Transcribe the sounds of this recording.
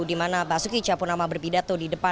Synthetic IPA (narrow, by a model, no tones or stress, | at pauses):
dimanabasukit͡ʃapurnamabərpidat̪odidəpa